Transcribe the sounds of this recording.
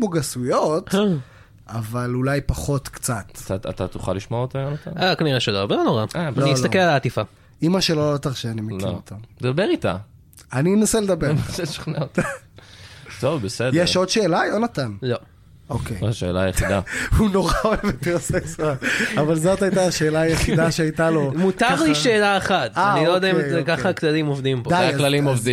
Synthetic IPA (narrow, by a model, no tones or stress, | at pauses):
kmoɡasujo̞t̪ | avalulajpaχo̞t̪kt͡sat̪taat̪at̪uχa̰liʃmoaot̪ajonat̪a̰nakaniʁeʃelovelonoʁaaloniisltakelalaːt̪ifa | imaʃelolot̪aʁʃeanimilot̪ʰad̪abeʁit̪a̰ | aninaseled̪abenaselʃḁχnaota | t̪ovbesedjeʃo̞d̪ʃe̞ːlajonat̪anlo | okejʃḛːla̰jeχid̪a̰huno̞ʁaoeveteʁseksualavalzot̪ajtaʃeːlajeχid̪aʃeajtalo̞mut̪aʁliʃeːlaeχat̪anilojd̪aimekaχaklalimovd̪impodajaaklalimovd̪i